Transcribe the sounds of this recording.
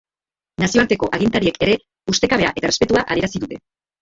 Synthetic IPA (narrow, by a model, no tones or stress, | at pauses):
nasio̞aɾt̪e̞ko̞ʔaɣint̪aɾie̞kʰeɾe̞ | ust̪e̞kaβe̞a̰ʔe̞t̪arespe̞t̪uaʔa̰e̞ɾasiðut̪e̞